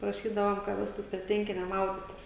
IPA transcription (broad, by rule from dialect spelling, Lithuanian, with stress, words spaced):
prɐˈʃʲiːdɐʋoːm kɐ ˈʋʲæːstuːs pʲrʲiɛ ˈtʲʋʲɛŋʲkʲɪnʲɛ ˈmɐʊdʲɪtʲɪs